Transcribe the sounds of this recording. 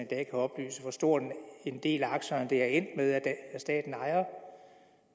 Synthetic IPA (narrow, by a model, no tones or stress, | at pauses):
id̥ɛ̰ːkʰæɒ̽b̥ly̰ːsəfɒsd̥o̝ɐ̰d̥ne̝nd̥e̝̰ːlæɑ̈ɡ̥ɕɐnd̥e̝æɐen̰d̥meðˠæ̥sd̥ɛ̰ːd̥n̩ɑ̈ɪɐ